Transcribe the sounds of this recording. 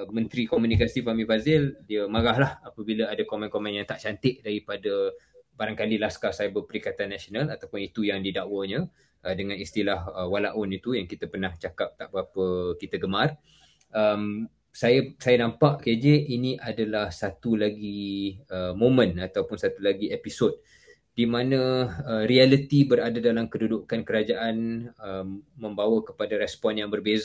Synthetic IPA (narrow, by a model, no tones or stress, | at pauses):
mə̃nt̪ɾikomũnikasifamĩbazɪldiəmaɾaɦlahapəbiləadakomãnkomãnjaŋt̪aʔt͡ʃant̪ɪʔdaɾipadəbaɾaŋkalilaskasajabəpəɾikat̪anːasionalat̪awpʊnit̪ujaŋdidaʔwəɲə̃ | ʔədəŋãnist̪ilahwalaʔɔnit̪ujaŋkit̪əpərnaht͡ʃakap̚t̪aʔbəapəkit̪aɡəmar | ʔəm | sajasajanãmpaʔkad͡ʒeʔiniʔadalahsat̪ulaɡiəmomə̃nat̪awpʊnsat̪ulaɡiepisod̚ | dimanə̃əɾialət̪ibəɾadadalamkədudukankəɾad͡ʒaʔanəmːə̃mbawakə̥padaɾɛspɔnjaŋbərbez